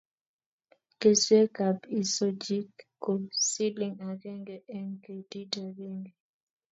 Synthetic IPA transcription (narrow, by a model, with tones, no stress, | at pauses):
ke˨swe˦ka˨bi˨so˦d͡ʒi˦kː | o˨si˦li˨ŋa˨ɡe˦ŋɡe˨ʔɛ˦ŋke˨di˦da˨ɾe˦ŋɡe˨